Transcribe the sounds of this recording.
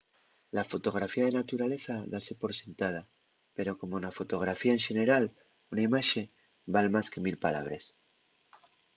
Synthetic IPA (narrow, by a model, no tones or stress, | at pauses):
lafo̞t̪o̞ɣɾafiað̞enat̪uɾale̞θaðase̞po̞ɾse̞nt̪að̞a | pe̞ɾo̞ko̞monafo̞t̪o̞ɣ̞ɾafiaeŋʃe̞ne̞ɾal | unaimaʃe̞ | balmaske̞milpala̰β̞ɾe̞̰s